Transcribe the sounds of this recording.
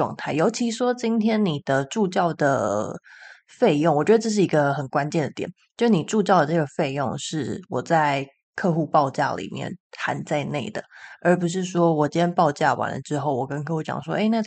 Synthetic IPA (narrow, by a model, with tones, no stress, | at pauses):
ʈ͡ʂwɑ̰˧ŋt̪ʰa˥˩ɪjo˧˥ʊt͡ɕʰi˧˥ʂwɔ˥t͡ɕi˥nt̪ʰjɛ˥nni˨˩d̪̥ə˦ʈ͡ʂu˥˧t͡ɕjɑ˥˩ʊd̪ə̰˩ | fe˥˧ɪjŋwɔ˨˩t͡ɕɥɛ˧d̪ə˧ʈ͡ʂɤ˥˧ʂ̬ɻ̩˥˩i˧˥ɡə˧xə˨˩nkwa˦nt͡ɕjɛ˥˩nd̪ə˩t̪jɛ̰˨˩˦nt͡ɕjʊʂ̩˥˩ni˨˩ʈ͡ʂu˥˧t͡ɕjɑ˥˩ʊd̪ə˩ʈ͡ʂɤ˥˩ɡə˩fe˥˧ɪjo̰˥˧ŋʂɻ̩˥˩wɔ˨˩t͡sa˥˧ɪ | kʰɤ˥˧xu˥˧pɑ˥˧ʊt͡ɕja̰˥˩lḭ˨˩mjɛ̰˥˩nxa̰˧˥nt͡sa˥˧ɪne˥˩ɪd̪ə˩ə˞˧˥pu˧˥ʂ̬ɻ̩˥˩ʂwɔ˥wɔ˨˩t͡ɕɛ˥npɑ˥˧ʊt͡ɕja˥˩wa̰˨˩nlə̰˦ʈ͡ʂɻ̩˧˥xo˥˩ʊwɔ˨˩kə˥nkʰɤ˥˧xu˥˩t͡ɕjɑ̰˨˩ŋʂwɔ̰˥ʔe˥ɪna˥˧˩